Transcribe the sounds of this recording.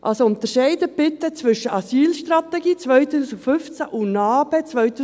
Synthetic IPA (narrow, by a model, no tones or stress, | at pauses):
ʔɑ̰lsoʊnt̪əʃɛɪd̪əb̥ɪt̪ət͡sʋʏʃəʔɑsiːlʃtrɑtɛɡiːt͡svœʏt̪ʰuːsɪfʏft͡sæʔunɑːbɛt͡svœʏt̪ʰuː